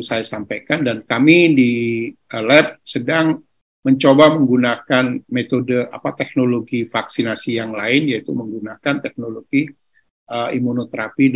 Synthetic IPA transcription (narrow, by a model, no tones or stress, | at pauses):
sajasampajkandankamidiəlɛt̪̚sədaŋ | məɲt͡ʃobaməŋɡunakanmet̪odəa̰pat̪ɛk̚noloɡifaksinasijaŋlaɪnjait̪uməŋɡunakant̪ɛk̚noloɡi | əimunot̪əɾapi